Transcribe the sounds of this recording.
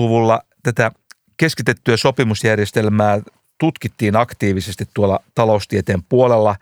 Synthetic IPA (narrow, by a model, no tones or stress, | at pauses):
uʋulːɑt̪æt̪æ | ke̞skit̪e̞t̪ːyæso̞pimusjærjest̪elmæː | t̪ut̪kit̪ːiːnɑkt̪iːʋisest̪it̪t̪uolːɑt̪ɑloust̪iet̪eːmpuolelːɑ